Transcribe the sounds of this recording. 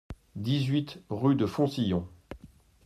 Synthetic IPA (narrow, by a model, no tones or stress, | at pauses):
d̪izɥit̪ʁyd̪əfɔ̃sijɔ̃